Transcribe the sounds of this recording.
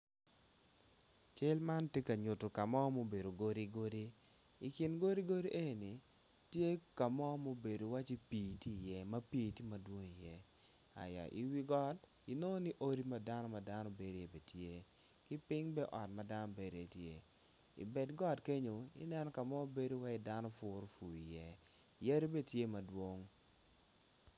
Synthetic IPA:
t͡ʃe˦lma˦ntje˦ka˨ɲʊ˨to˨ka˨mɔ˦mo˦be˨ɾo˨ɡo˦ɾi˦ɡo˦ɾiː˦˨ | kɪ˨nɡo˦ɾi˦ɡo˦ɾi˦ʔe˦˨ni˨ | tje˦ka˨mɔ˦mo˦be˨do˨wa˦t͡ʃi˦piː˨tiː˦˨jɛ˦mɐ˦pi˦ti˦mɐ˨dwo˦ŋi˨jɛ˦ | a̰˨ja̰˨ʔḭ˨wi˦ɡɔ˦d | i˨no˦ni˦ʔo˦ɾi˦ma˦da˦nɔ˦ma˨da˦nɔ˦be˨ɾe˦e˨be˨tje˦ | kɪ˦pɪ˦ŋbɛ˦ʔɔ˨tmɐ˨da˦nɔ˦be˨ɾo˨e˨tje˨ | ḭ˨bɛ˨dɡɔ˦dke˦ɲo˨ɪ̰˦nɛ˦nɔ˦ka˨mɔ˦be˦do˦wa˦e˦da˦nɔ˦fʊ˨ɾo˦fu˨i˨jɛ˦˨ | jɛ˦ɾi˦be˦tje˦mɐ˨dwo˦ŋ

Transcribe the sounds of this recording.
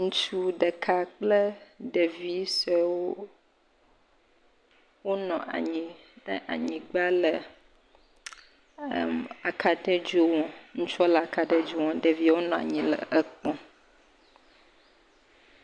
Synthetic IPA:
ŋũ˦t͡ʃu˦ɖə˨kʰa˨k͡plə˦ɖə˨vi˦sɔ˨wo˦ | wo˦nɔ̃˨a̰˨ɲĩ˨ | ə˦ʔa̰˨ɲĩ˨ɡ͡ba˦lə˨ | ma˨kʰa˨t̪ɛ˦d͡ʒo˦wɔ̃˨ŋũ˦t͡ʃɔ˦la˨ka˨t̪ɛ˦d͡ʒu˦wɔ̃˨ɖə˨vi˦wo˦nɔ̃˨a̰˨ɲĩ˨lə̰˨ə˨k͡pɔ̃˨

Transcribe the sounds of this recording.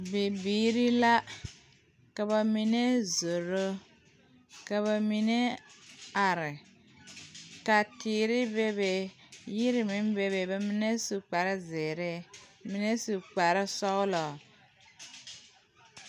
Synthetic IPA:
bi˨biː˨˦ɾi˦la˦ | ka˨ba˨mi˨ne˦zo˨ɾo˦ | ka˨βa˨mi˨ne˦ | a˨ɾɪ˨ | ka˨tiː˨ɾɪ˦be˦be˨ji˦ɾɪ˨mi˦mbe˨be˨ba˨mi˦ne˦su˨k͡pa˨ɾɪ˦zɪː˨ɾe˦mi˨ne˦su˨k͡pa˨ɾɪ˦sɔ˦ɣlɔ˨

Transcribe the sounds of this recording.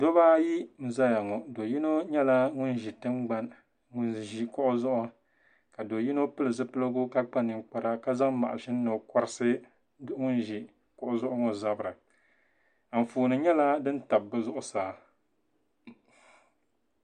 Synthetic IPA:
do˦baː˦ji˦n̩˨za˦ja˨ŋɔ˨do˨ji˦no˦ɲɛ˦la˦ŋʊ˦n˦ʒi˨tɨ˦ŋ͡mɡ͡ba˦n | ŋ˦nʒi˨kɔ˦ʔʊ˦zʊ˦ʔʊ˦ | ka˨do˨ji˦no˦pɨ˦lɨ˨zɨ˦pɨ˦lɨ˦ɡʊ˦ka˦k͡pa˦nɨ˨ŋ͡mk͡pa˨ɾa˦ka˦za˦ŋma̰˨ʔa˨ʃi˦n̩ː˦o˨ka˦ɾsɨ˦ | ŋʊ˦nʒi˨ | kɔ˨ʔʊ˦zʊ˦ʔʊ˦ŋɔ˨za˦bɨ˨ɾɨ˨ | a˨m̩˨fuː˨nɨ˨ɲɛ˦la˦dɨ˦n̩˦ta˨b̚ːɨ˦zʊ˦ʔʊ˦saː˨

